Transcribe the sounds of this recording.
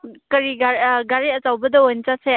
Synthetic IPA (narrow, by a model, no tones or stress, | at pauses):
kɐɾiɡaɡaɾiɐt͡ʃawbɐdɐojnt͡ʃase